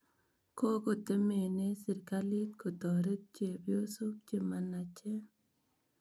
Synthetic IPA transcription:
ko˦ko˨t̪e˦me˨ne˦sɪ˨ɾka˦li˦t̪ko˨t̪ɔ˨ɾe˦t̪̚t͡ʃe˨bjo˦su˦p̚t͡ʃe˨ma˨na˨t͡ʃɛ˦

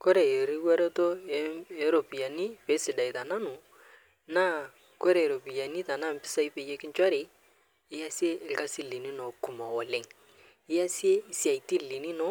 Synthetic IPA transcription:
ko˦ɾe˨e˨ɾi˦wa˦ɾe˦to˦e˨e˨˦ɾo˨pi˨a˨ni˦pe˨˦sɪ˨da˨i˨ta˨na˦nʊ˨ | na˦ | ko˦ɾe˨ɾo˨pi˨ja˨ni˦ta˨na˦m̩˨pɪ̥˦sa˦i˦pe˨je˦kɪ˦nt͡ʃa˦ɾɪ˨ | ɪ˦ja˦si˦e˦ɪ˦lka˦si˦li˨ni˦no˨ku˨ma˨wɔ˨lɪ˨ŋ | ɪ˦a˦si˦e˦ɪ˦si˦a˨iti˦li˨ni˦no˦

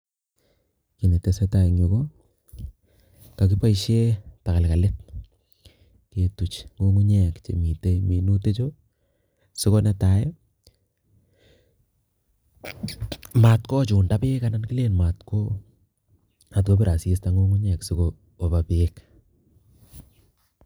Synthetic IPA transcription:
ki˨ni˨te˨se˦ta˨ŋi˨ko˦ | ka˨ki˦pa˦iʃe˦ta˨ka˨lka˨le˦t̚ | ke˨tu˨t͡ʃŋɡo˦ŋu˦ɲɛ˨kt͡ʃḛ˨mi˨te˦mi˨nu˦te˦t͡ʃo˦ | si˦ko˦nɛ˦ta˨jɔ | ma˨tkɔ˦t͡ʃu˨nda˦pɪ˦ka˦na˦nki˦le˦nma˨tko˦ | a˨tko˦pi˦ɾʔa˨si˦sta˦ŋɡu˦ŋu˦ɲɛ˨ksi˦ko˨ | o˨pa˨pek

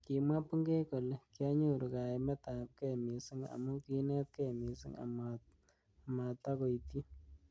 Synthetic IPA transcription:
ki˨mwa˦pu˦ŋɡe˦ko˨le˨ki˦a˦ɲu˦˨ɾu˨ka˨e˨mɛ˦ta˨p̚kɛ˦˨mi˨sɪ˦ŋa̰˨mu˦ki˦nɛ˦t̪̚ke˦˨mi˨si˦ŋa̰˨ma | ma˨ta˦ko˨i˨ti˦

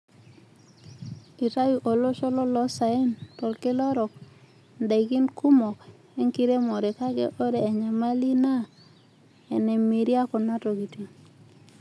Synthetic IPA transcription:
i˨ta˦ju˨ʔo˨lo˦ʃɔ˦lɔ˦lɔ˦sa˨e˦ntɔ˨lkɪ˦lɔ˦ɾɔ˨k̚ | nda˨i˨ɡi˦nku˦mɔ˨k | e˦ŋki˦ɾe˦mɔ˨ɾe˨ka˦ɡḛ˦ʔo˦ɾe˨a˨ɲa˨ma˦li˦na˦ | ɛ˨ne˨mi˨ɾi˦a˦kɔ˨na˦to˨ɡi˨ti˨

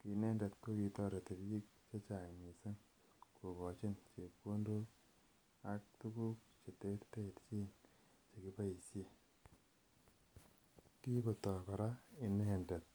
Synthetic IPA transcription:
ki˨nɛ˦ndɛ˨t̚ko˦ki˧tɔ˦ɾe˨te˨ɾji˦k̚ | t͡ʃe˦t͡ʃa˨me˨si˦ŋ | ku˨bɔ˨t͡ʃɪ˦nt͡ʃe˨po˦ndo˦ | a˨k̚tu˦ku˦k̚ | t͡ʃe˨te˦ɾte˦˨tt͡ʃi˦n | t͡ʃe˨ki˦pa˦i˨se˦ | ki˦ko˨tɔ˨kɔ˨ɾa˦i˨nɛ˦ndɛ˨t̚

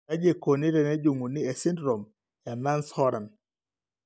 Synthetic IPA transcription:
a˦d͡ʒe˨ko˨ni˦ɾɛ˨nɛ˦d͡ʒu˨ŋu˨ni˦e˨sɪ˦ndɾɔ˨m | ja˨ma˦nshɔ˦ɾa˨n

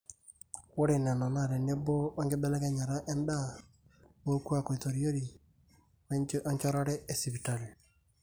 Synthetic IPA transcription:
wo˦ɾe˨nɛ˨ma˨ma˦˨ɾɛ˨ne˦bo˦a˦ŋɡe˦bɛ˦lɛ˦kɛ˦ɲa˨ɾa˦ʔɛ˦nda˦ | wo˦ku˦a˦˨ko˨i˨to˨ɾi˦o˦ɾi˨ | ɔ˦ɲt͡ʃɔ˦ɾa˦ɾɛ˦ɛ˨si˨pi˨ta˨l

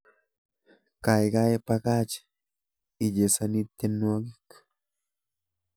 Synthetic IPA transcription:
ka˨jɡa˦e˦pa˧ka˦t͡ʃ | i˨je˨sa˧ni˦˧t̪e˧nua˧ɡi˦k

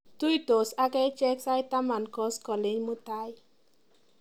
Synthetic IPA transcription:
tu˦ito˨sa˦kɛ˦t͡ʃɛ˦ksa˦jta˦ma˨nkɔ˦skɔ˨le˦ɲmu˦ta˦j

